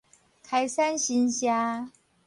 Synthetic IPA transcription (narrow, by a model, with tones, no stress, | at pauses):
kʰa˧˥ɪsa˥˦nɕi˧˦˥nɕja˧˦